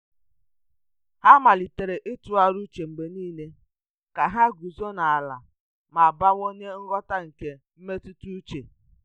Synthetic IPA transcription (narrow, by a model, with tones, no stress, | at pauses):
ha˦ma˨li˨te˨ɾe˨ʔe˦tu˨˦a˨ɾu˦t͡ʃe˨ŋ͡m̩˨ɡ͡be˨niː˦le˦ | ka˨ɦa˦ɡu˨zo˦na˨a˨la̰˨ | ma˨ba˦wo˦ɲe˦ŋ̩˦ɡɔ˦ta˦ŋ̩˨ke˨ | m̩˦me˦tu˦tu˦u˦t͡ʃe˨